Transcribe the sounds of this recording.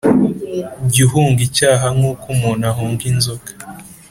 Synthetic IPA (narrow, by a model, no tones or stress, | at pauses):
ɟiɦuːŋɡicaːɦaŋukumunahuːŋɡinzokḁ